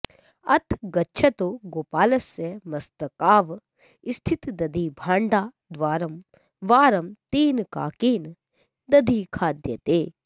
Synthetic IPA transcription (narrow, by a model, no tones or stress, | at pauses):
ɐt̪ʰɡɐtːt͡ʃʰɐt̪oɡoːpaːlɐsjɐmɐst̪ɐkaːʋ | ist̪ʰit̪d̪ɐd̪ʱiːbʱaːɳɖaː | d̪ʋaːɾɐm | ʋaːɾɐmt̪iːnka̰ːkiːn | d̪ɐd̪ʱiːkʰaːd̪jɐt̪eː